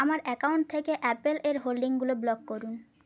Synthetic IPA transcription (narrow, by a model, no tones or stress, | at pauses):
amaɾɛkauwɳʈ̚t̪ʰːekeʔɛpeleɾɦolɖiŋɡuloblɔkːoɾun